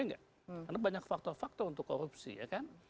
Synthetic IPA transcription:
aŋɡaʔ | kanabaɲakfak̚t̪ɔrfak̚t̪ɔunt̪ʊkːoɾup̚sḭja̰kan

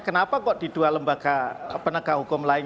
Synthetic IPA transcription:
kənapakɔʔd̥idualəmbakapənəkaɦukʊmlaɪn

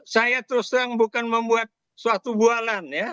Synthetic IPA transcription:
sajat̪əɾust̪əɾaŋbukanməmbuat̪̚ | suwat̪ubualanja

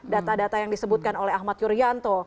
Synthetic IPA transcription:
dat̪adat̪ajaŋdisəbut̪̚kanolɛhahmat̪̚juɾiant̪o

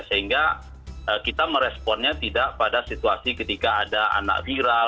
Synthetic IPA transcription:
səɦiŋɡa | əkit̪aməɾɛspɔnɲat̪idaʔpadasit̪uasikət̪ikaːdaa̰na̰kfiɾal

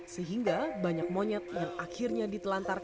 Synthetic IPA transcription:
səɦiŋɡabaɲak̚moɲɛt̪̚jaŋakʰirɲadit̪əlant̪ar

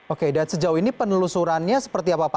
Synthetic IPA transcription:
okedansəd͡ʒauinipənəlusuɾanɲasə̥pərt̪iapapa

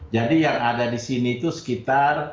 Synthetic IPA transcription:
d͡ʒadijaŋadadisiniːt̪usə̥kit̪ar

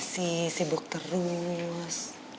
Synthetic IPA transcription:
sisibʊk̚t̪ərus

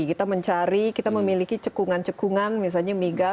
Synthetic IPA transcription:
kit̪aməɲt͡ʃaɾikit̪aməmilikit͡ʃəkuŋant͡ʃəkuŋanmis̬alɲamiɡa

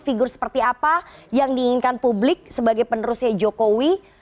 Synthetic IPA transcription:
fiɡʊrsə̥pərt̪iapajaŋdiːŋɪnkanpublɪk̚səbaɡajpənəɾusad͡ʒokowi

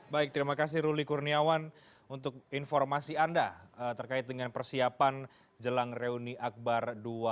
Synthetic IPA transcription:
baɪk̚t̪əɾimakas̬ɪhɾulikurniawan | unt̪ʊk̚infɔrmasiandaət̪ərkaɪt̪̚dəŋanpərsiapan | d͡ʒəlaŋreuniʔak̚bardua

